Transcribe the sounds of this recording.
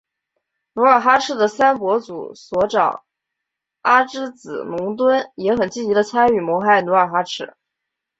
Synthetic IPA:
nu˧˥ə˞˨˩xa˥ʈ͡ʂʰɻ̩˥˩d̪ə˩sa˥npwɔ˧˥t͡sṵ˨˩˦swɔ˧˥ʈ͡ʂɑ˨˩˦ʊ | a˥ʈ͡ʂɻ̩˥t͡sɹ̩˨˩nʊ˧˥ŋt̪̬wə˥njɛ˧˥xə˨˩nt͡ɕi˥˩t͡ɕi˧˥d̪ə˧t͡sʰa˥ny˥˩mwɔ˧˥xa˥˩ɪnu˧˥ə˞˨˩xa˥ʈ͡ʂʰɻ̩˥˩

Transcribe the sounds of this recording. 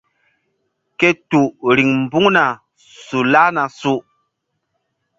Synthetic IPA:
ke˦tu˨ɾi˨ŋm˨bu˦ŋna˨ | su˨la˦na˨su˨

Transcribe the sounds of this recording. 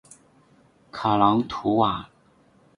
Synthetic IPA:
kʰa˨˩lɑ˧˥ŋt̪ʰu˧˥wa˨˩˦

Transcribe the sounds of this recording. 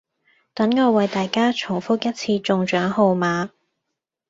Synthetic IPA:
t̪ɐ˨˥nŋɔː˧wɐ˨˧jt̪aː˨jkaː˥t͡ʃʰʊ˨˩ŋfʊ˥k̚jɐ˥t̚t͡sʰiː˧t͡sʊ˨ŋt͡ʃœː˨˥ŋho˨˧wmaː˨˧

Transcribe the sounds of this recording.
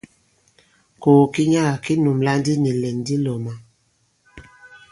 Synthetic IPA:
ko˨ki˦ɲa˦a˨ki˦nu˨mla˦n˦di˦ni˨lɛ˨n˨di˦lɔ˨ma˨

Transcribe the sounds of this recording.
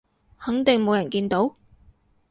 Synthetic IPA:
hɐ˨˥ŋt̪ɪ˨ŋmo˨˧wjɐ˨˩nkiː˧nt̪o˨˥w

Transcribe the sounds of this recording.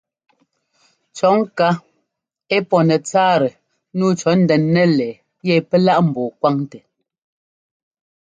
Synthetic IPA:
t͡ʃɔ˨˦ŋ˦ka˦ | e˦pɔ˨nɛ˨t͡saː˦ɾɛ˨ | nuː˦t͡ʃɔ˨˦n̩˦dɛ˨nːɛ˦lɛː˨ | jɛ˦˨pɛ˦la˦ʔm̩˨bɔː˨kwa˦ŋtɛ˨

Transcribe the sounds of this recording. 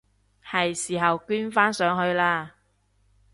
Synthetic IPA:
hɐ˨jsiː˨˩ɦɐ˨wkyː˥nfaː˥nsœː˨˥ŋɦɵ˧ɥlaː˧

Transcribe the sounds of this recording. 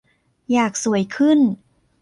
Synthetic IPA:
jaː˨˩k̚su˩˦əjkʰɯ˥˩n

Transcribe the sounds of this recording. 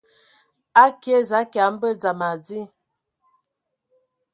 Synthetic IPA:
a˦ke˦za˨˦ka˨˦m̩˦bə˦d͡za˨ma˨d͡zi˦

